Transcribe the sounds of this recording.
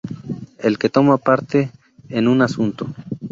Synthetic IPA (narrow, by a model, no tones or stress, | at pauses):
elket̪o̞mapaɾt̪eː | nunasunt̪o